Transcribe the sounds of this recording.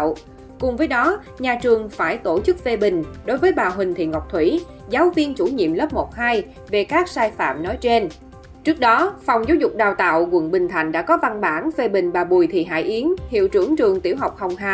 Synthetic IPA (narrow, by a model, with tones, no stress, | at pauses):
w | kʊ˨˩ŋ͡mvəː˨˦jɗɔ˨˦ | ɲaː˨˩t͡ɕɨ˨˩əŋfaː˧˩jt̪o˧˩t͡ɕɨ˦˥k̚ve˧ɓï˨˩ŋ̟ɗo˨˦jvəː˨˦jɓaː˨˩ɦï˨˩ŋ̟t̪ʰḭ˧˨ŋɔ˨˩wk͡p̚t̪ʰwi˧˩ | zaː˨˦wvi˧ənt͡ɕu˧˩ɲḭ˧˨mlə˦˥p̚mo˨˩t̚haː˧j | ve˨˩kaː˦˥k̚saː˧jfa̰ː˧˨mnɔ˨˦jt͡ɕe˧n | t͡ɕɨ˦˥ək̚ɗɔ˨˦fa˨˩wŋ͡mzaː˨˦wzʊ˨˩k͡p̚ɗaː˨˩wt̪a̰ː˧˨wkwə̰˧˨nɓï˨˩ŋ̟t̪ʰa˨˧˩jŋ̟ɗa̰ː˧˥kɔ˨˦va˧nɓaː˧˩nve˧ɓï˨˩ŋ̟ɓaː˨˩ɓu˨˩jt̪ʰi˨˩ɦa̰ː˧˩jʔi˨˦ənhḭ˧˨əwt͡ɕɨ˧˩əŋt͡ɕɨ˨˩əŋt̪i˧˩əwɦa˨˩wk͡p̚hɔ˨˩wŋ͡mɦaː˧˨˩